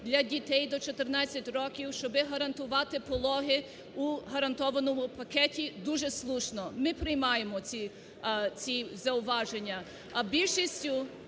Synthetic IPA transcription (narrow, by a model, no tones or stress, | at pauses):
d̪lʲɐdʲit̪ɛjd̪ɔt͡ʃɔt̪ɪrnɑt͡sʲːɐtʲrɔkʲiwʃt͡ʃɔbɪɦɐɾɐnt̪ʊʋɑt̪ɪpɔlˠɔɦɪ | uɦɐɾɐnt̪ɔʋɐnɔmʊpɐkɛtʲid̪uʒɛslˠuʃnɔmɪpɾɪjmɑjemɔt͡sʲi | t͡sʲizɐʊʋɑʒenʲːɐ | ɐbʲilʲʃisʲtʲʊ